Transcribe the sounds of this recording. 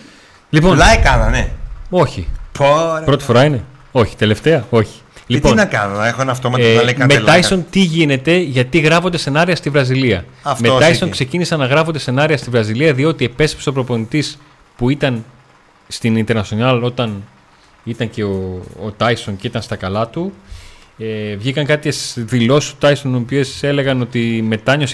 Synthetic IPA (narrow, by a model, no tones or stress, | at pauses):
lipo̞nlɐjekɐlɐneo̞çi | pɾo̞t̪i̥fo̞ɾɐine̞ | o̞çi̥t̪e̞le̞ft̪e̞ɐo̞çi̥liponnɐkɐnɐexoenɐft̪omɐtɐlekɐmeɐjso̞nt̪iʝine̞t̪e̞ʝɐt̪iɣɾɐfo̞nd̪ese̞nɐɾiɐst̪ivɾɐziliɐ | ɐfmeoɐjso̞ŋkse̞cinisɐnːɐɣɾɐfo̞nd̪ese̞nɐɾiɐst̪ivɾɐziliɐðio̞t̪ie̞pe̞se̥pseopɾo̞po̞nit̪is | puit̪ɐn | st̪inint̪e̞ɾnɐsionɐlo̞t̪ɐn | it̪ɐɲce̞oːt̪ɐjso̞nceit̪ɐnst̪ɐkɐlɐt̪u | evʝikɐŋkɐt̪çesðilo̞sist̪o̥t̪ɐjsonopie̞se̞le̞ɣɐno̞t̪ime̞t̪ɐɲo̞s